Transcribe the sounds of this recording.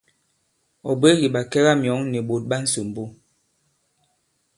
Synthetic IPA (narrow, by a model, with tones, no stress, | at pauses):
ɔ˨be˦ɣi˨ɓa˨kɛ˦ɣa˦mjɔ˨˦ŋnɛ˨ɓo˨t̚ɓa˦n̩˦su˨m˨bo˦